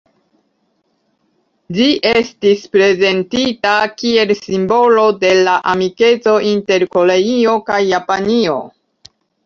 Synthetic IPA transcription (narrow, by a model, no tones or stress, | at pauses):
d͡ʒiʔestispɾe̞ze̞ntitakie̞lsimbo̞lo̞de̞laʔamike̞t͡so̞ʔinte̞ɾko̞le̞io̞kajːapanio̞̰